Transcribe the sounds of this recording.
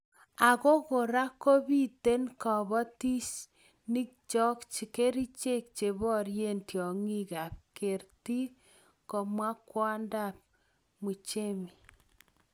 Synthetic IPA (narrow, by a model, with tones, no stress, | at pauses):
a˨ko˦ko˨ɾa˦ko˦bi˦te˦nkɔ˨βɔ˦ti˦t͡ʃ | ni˦k̚t͡ʃɔ˦kt͡ʃi˨ke˦ɾi˦t͡ʃe˦k̚t͡ʃe˨βɔ˦ɾje˦ntjɔ˨ŋi˦ka˨p̚ke˨rti˦ | kɔ˨mwa˦kwa˦nda˦˨p̚ | mu˨t͡ʃe˦mi˨